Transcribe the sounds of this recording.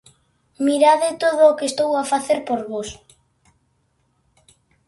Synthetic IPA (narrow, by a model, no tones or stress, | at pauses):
miɾaðɪt̪oðʊːkest̪owafaθeɾpoɾβos